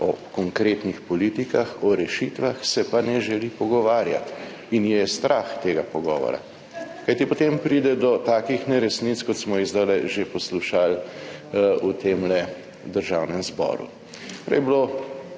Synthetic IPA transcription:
ɔ̰kɔŋkɾeːt̪nixpɔliːt̪ikaxɔɾɛʃit̪ʋaxsɛpanɛʒɛlipɔɡɔʋaːɾja̰t̪ | injɛst̪ɾʔaxt̪eːɡapɔɡɔ̰ːʋɔ̰ɾa̰ | kajt̪ipot̪empɾiːd̪ɛd̪ɔt̪aːkixnɛɾɛsnit̪skɔt̪smɔizd̪alɛʒepɔsluʃal | ut̪eːmlɛ | d̪əɾʒawnɛmzbɔ̰ːɾṵ | pɾɛ̰jblo

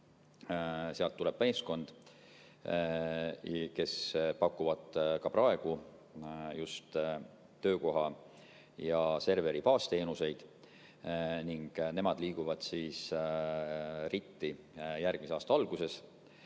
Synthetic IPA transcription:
seɑlt̪ːule̞b̥me̞ːsko̞nd̪̥ | ke̞spɑkːˑuvɑd̪kɑpɾɑe̞ɡ̥u | just̪ː | ø̞ːko̞ɦɑ | jɑse̞rve̞ɾipɑːst̪e̞ːnuse̞jd̪̥ | niŋɡ̥ne̞mɑd̪liːɡ̥uvɑd̪̥siːs | rit̪ːi | jærɡ̥miseɑːst̪ɑɑlɡ̥use̞s

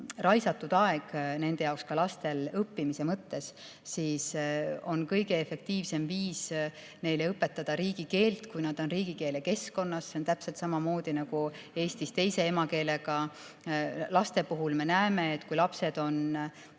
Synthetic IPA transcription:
rɑjsɑt̪ːˑud̪̥ɑe̞ɡ̥ne̞nd̪̥e̞jɑwkskɑlɑst̪elɤpːimise̞mɤt̪ːe̞s | siːso̞nkɤjɡe̞efe̞k̚t̪iːvse̞mviːs | ne̞jleɤpːe̞t̪ːɑd̪̥ɑɾiːɡ̥ike̞ːlt̪kujnɑd̪̥o̞nriːɡ̥ike̞ːle̞ke̞sko̞nːɑsːe̞ont̪æpse̞lt̪sɑmɑmo̞ːd̪̥inɑɡ̥u | e̞ːsʲt̪ist̪e̞jse̞e̞mɑke̞ːleɡ̥ɑ | lɑst̪e̞puɦulme̞næeme̞ːt̪ːkujlɑpse̞d̪̥o̞n

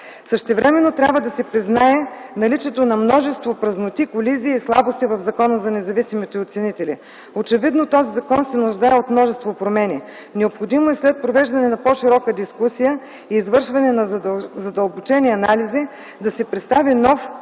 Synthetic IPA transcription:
səʃt̪ɛvɾɛmɛnːot̪ɾʲabvəd̪ɐsɛpɾiznaɛnɐlit͡ʃɛt̪onɐmnɔʒɛst̪vopɾɐznot̪ikoliziːslˠabost̪ivɐvzɐkɔnəzɐnɛzɐvisimit̪ɛot̪sɛnit̪ɛlḭ | ot͡ʃɛvid̪not̪ɔzizɐkɔnsɛnʊʒd̪aɛot̪mnɔʒɛst̪vopɾomɛnʲi | nɛopxod̪imoɛslɛt̪̚pɾovɛʒd̪ɐnɛnɐpɔʃiɾɔkəd̪iskusijə | iːzvɤɾʃvɐnɛnɐzɐd̪əlˠbot͡ʃɛniɐnalizi | d̪ɐsɛpɾɛt̪st̪avinɔf

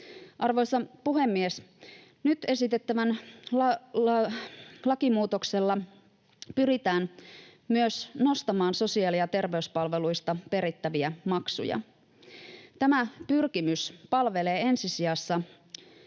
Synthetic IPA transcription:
ʔɑrʋo̞jsɑpuɦe̞mːies | nyt̪e̞sit̪e̞t̪ːæʋænlɑ | lɑkimuːt̪o̞kse̞lːɑ | pyɾit̪æːnmyøsno̞st̪ɑmɑːnso̞siɑːliɑt̪e̞rʋe̞yspɑlʋe̞lujst̪ɑpe̞ɾit̪ːæʋiæmɑksṵjɑ̰ | t̪æmæpyrkimyspɑlʋe̞le̞ːe̞nsisiɑsːɑ

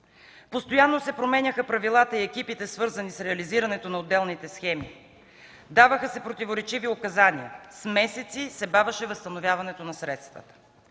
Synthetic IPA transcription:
post̪ojanːosɛpɾomɛnʲəxəpɾɐvilˠat̪əiɛkipit̪ɛsvɤɾzənisɾɛɐliziɾɐnɛt̪onɐod̪ːɛlˠnit̪ɛsxɛmi | d̪avəxəsɛpɾot̪ivoɾɛt͡ʃiviokɐzaniəsmɛsɛt̪sisɛbavəʃɛvəst̪ɐnovʲjavɐnɛt̪onɐsɾɛt̪st̪və̰t̪ə̥

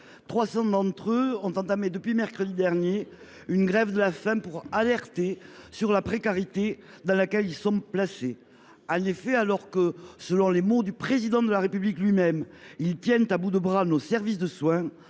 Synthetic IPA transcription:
t̪χwasɑ̃d̪ɑ̃t̪χøɔ̃t̪ɑ̃t̪amed̪əpɥimɛʁkχəd̪id̪ɛʁnje | ynɡʁɛvd̪əlafɛ̃puʁalɛʁt̪esyʁlapχekaʁit̪e | d̪ɑ̃lakɛlilsɔ̃plase | ɑ̃nefɛalɔʁkəsəlɔ̃lemod̪ypχezid̪ɑ̃d̪əlaʁepybliklɥimɛmilt̪jɛ̃nt̪abud̪əbʁanosɛʁvis̬d̪əswɛ̃

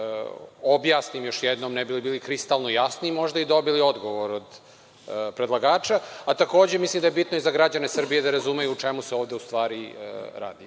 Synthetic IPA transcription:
objaːsnimjo̞ʃjɛd̪nomnɛbilibiːlikɾist̪alˠnojasnimo̞ʒd̪aid̪o̞bilio̞d̪ɡo̞ʋoɾod̪ | pɾed̪lˠaɡaːt͡ʃaːt̪ako̞ːd͡ʑemislimd̪ajebit̪noizaɡɾad͡ʑane̞sr̩bije̞d̪aɾazumejuːt͡ʃemuseo̞ːvd̪eust̪ʋaːɾiɾa̰ːd̪i

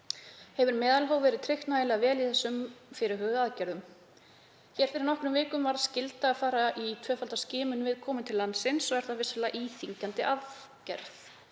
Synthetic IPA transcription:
hɛvʏɾmɛːðalɦoːwvɛːɾɪðt̪ʰɾɪht̪naðɪlɛɣavɛːliθɛsːʏmfɪɾɪ̥ɦœːɣðaðcɛɾðʏm | çɛːɾ̥fɪɾɪɾnɔhkɾʏmvɪːkʏmvaɾaðscɪlt̪aːðfaːɾaʔit̪ʰvœːfalt̪ascɪːmʏnvɪðkʰɔːmɪnt̪ʰɪlːanːsɪnsɔɣɛɾ̥θavɪslaʔiːθiɲcant̪ɪʔað | cɛ̰ɾθ

